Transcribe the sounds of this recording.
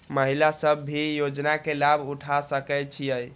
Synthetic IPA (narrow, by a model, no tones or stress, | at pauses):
məɦilasəbːijod͡ʒnakelabʱuʈʰasəkɛt͡ʃʰijəj